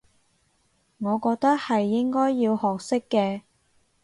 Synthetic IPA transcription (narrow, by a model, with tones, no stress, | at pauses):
ŋɔː˨˧kɔː˧k̚t̪ɐ˥k̚hɐ˨jːɪ˥ŋkɔː˥jːiː˧whɔː˨k̚sɪ˥kːɛː˧